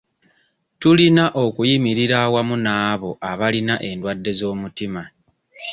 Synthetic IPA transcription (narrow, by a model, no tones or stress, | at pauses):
tulinaʔo̞kujimiɾiɾawamunaːβo̞ʔaβalinaʔe̞ndwadːe̞zo̞ːmutima